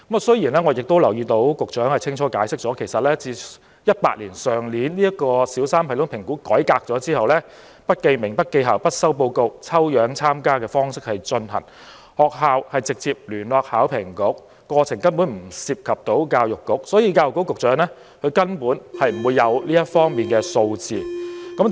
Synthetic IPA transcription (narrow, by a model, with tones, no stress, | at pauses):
kɐ˨˥m˨sɵ˥jiː˨˩nlɛː˥ŋɔ˨˧jɪ˨k̚t̪o˥wlɐ˨˩wjiː˧t̪o˨˥wkʊ˨k̚t͡ʃœː˨˥ŋhɐ˨jt͡sʰɪ˥ŋt͡ʃʰɔː˨˥kaː˨˥jsɪ˥k̚t͡sɔː˨˥kʰe˨˩jsɐ˨t̚lɛː˥t͡siː˧ | jɐ˥t̚paː˧t̚liː˨˩nsœː˨˩ŋliː˨˥nliː˥jɐ˥kːɔː˧siː˨˥wsaː˥mpʰɐ˨˩lʊ˨˥ŋpʰɪ˨˩ŋkuː˨˥kɔː˨˥jkaː˧k̚t͡sɔː˨˥t͡siː˥hɐ˨wlɛː˥ | pɐ˥t̚ke˧jmɪ˨˩ŋpɐ˥t̚ke˧jɦaː˨˩wpɐ˥t̚sɐ˥wp̬o˧wkʊ˧w̚t͡sʰɐ˥wjœː˨˥ŋt͡sʰaː˥mkaː˥kɛː˧fɔː˥ŋsɪ˥k̚hɐ˨jt͡ʃɵ˧nhɐ̰˨˩n | hɔː˨˩k̚haː˨˧whɐ˨jt͡sɪ˨k̚t͡siː˧p̚lyː˨˩nlɔː˨˧k̚haː˨˥wpʰɪ˨˩ŋkʊ˨˥k̚ːɔː˧t͡sʰɪ˨˩ŋkɐ˥npuː˨˥nm̩˨˩siː˧p̚kʰɐ˨p̚t̪o˨˥wkaː˧wjʊ˨kːʊ˥k̚sɔː˨˥jiː˨˧k̬aː˧wjʊ˨kːo˥wkːʊ˨k̚t͡ʃœː˨˥ŋlɛː˥ | kʰɵ˨˧ɥkɐ˥npuː˨˥nhɐ˨jm̩˨˩wu˨˧jːɐ˨˧wliː˥jɐ˥t̚fɔː˥ŋmiː˨nkɛː˧so˧wt͡siː˨kɐ˨˥m